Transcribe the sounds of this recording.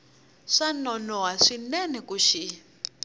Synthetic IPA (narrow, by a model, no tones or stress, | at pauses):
ʂanɔnɔwaʂinɛnɛkuʃi